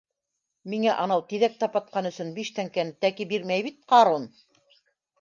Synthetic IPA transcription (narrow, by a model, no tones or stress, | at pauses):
miŋæʔɑnɑwt̪iðæk̚t̪ɑpɑt̪̚qʰɑnɵ̆sɵnbiʃt̪æŋkænɘt̪ækibiɾmæjβit̪̚qɑɾon